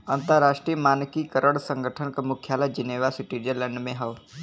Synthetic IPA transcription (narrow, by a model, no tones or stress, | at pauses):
ənt̪əɾɾːaʂʈɾijəmaːnkiːkəɾʔəɽsə̃ŋɡʱəʈʰənkəmukʰjalad͡ʒiniʋasiʈiɾd͡ʒələɳɖmẽɦəʋ